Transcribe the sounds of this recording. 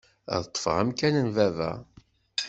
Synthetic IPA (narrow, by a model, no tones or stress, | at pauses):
ðt̪ˤːə̥fəʁæmkænənvævæ̰